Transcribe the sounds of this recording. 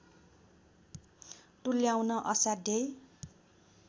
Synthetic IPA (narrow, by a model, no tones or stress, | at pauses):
ʈuljawnʌʔʌsad̪ej